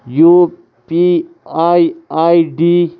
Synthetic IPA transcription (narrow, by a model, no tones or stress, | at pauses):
ju | pi | aiaiɖi